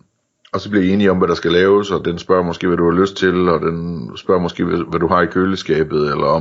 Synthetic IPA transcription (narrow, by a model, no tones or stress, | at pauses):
ɒ̽sɒ̽b̥liɐie̝ːniɒ̽mʋæɾ̥ɑ̈sɡ̥ælɛːʊsɒ̽d̥ensb̥ɶɐ̰mɒsɡ̥e̝̰ːʋæd̥uhɑ̈løsd̥̚t͡sʰe̝lɒ̽d̥ensb̥ɶɐ̰mɒsɡ̥e̝̰ːʋæd̥uɦɑ̈ikʰøləsɡ̥ɛːb̥ð̩ˠelɐ